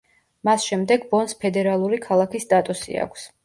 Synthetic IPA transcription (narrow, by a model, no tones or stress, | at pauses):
masʃɛmd̪ɛɡbɔnspʰɛd̪ɛɾalˠuɾikʰalˠakisːt̪ʼat̪ʼusḭa̰kʷʰs